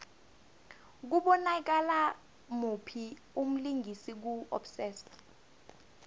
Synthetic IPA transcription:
k̬uɓɔnak̬ala | mupʰi | um̩liŋɡʱisik̬uɔ̰bsɛːs

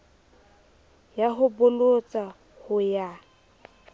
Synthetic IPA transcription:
jaɦʊbʊlot͡sʼa | hʊja

